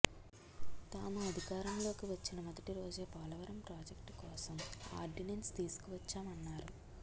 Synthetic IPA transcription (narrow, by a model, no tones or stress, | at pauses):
t̪aːmuɐd̪ʱikaːɾɐmlo̞ːkiʋɐt͡ʃːinɐmɐd̪ɐʈiɾo̞ːd͡ʒeːpaːlɐʋɐɾɐmpɾaːd͡ʒekʈkɔːsɐma̰ːɾɖinenst̪iːsu̥kuʋɐt͡ʃːaːmɐnːaːɾu